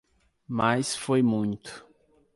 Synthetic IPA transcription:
masfojmũj̃t̪ʊ̥

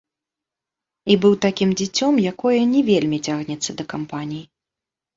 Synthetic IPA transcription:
ibɨwt̪akʲimd͡zʲɛt͡sʲɔmjakɔjɐnʲɛvʲelʲmʲit͡sʲaɣnʲɛt̪sːɐd̪ɐkampanʲiji

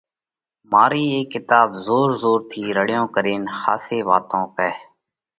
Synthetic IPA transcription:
maːɾiːeːkːɪt̪aːbzoːɾzoːɾt̪ʰiːɾəɽjõːkəɾeːnxa̰ːseːʋaːt̪õːkɛː

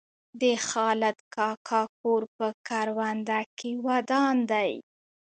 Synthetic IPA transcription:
d̪əxɑlat̪kɑkʰɑk̚oɾpəkaɾwand̪akewad̪ɑnd̪aj

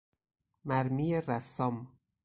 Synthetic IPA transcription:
mæɾmiːjeɾæsɒm

